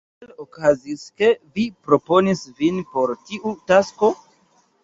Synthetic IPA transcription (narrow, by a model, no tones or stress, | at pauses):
elokaziske̞vipɾo̞po̞nisvinpo̞ɾtiʔutasko